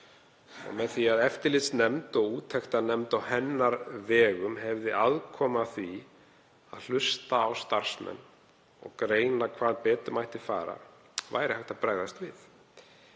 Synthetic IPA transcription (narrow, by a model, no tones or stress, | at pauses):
ɔ̰ɣmɛðθiaðɛft̪ɪɾlɪt̪snɛmt̪ɔɣuːt̪ʰɛxt̪anɛmt̪awhɛnːaɾvɛːɣʏmhɛvðɪʔaðkʰɔːmaθvi | a̰ðl̥ʏst̪aːwst̪aɾ̥smɛ̰nː | ɔ̰ɣkɾeːjnakʰvaːðpɛːt̪ʏmajht̪ɪfa̰ːɾa̰ | va̰ːjɾɪhaxt̪apɾaːɣðast̪vɪ̰θ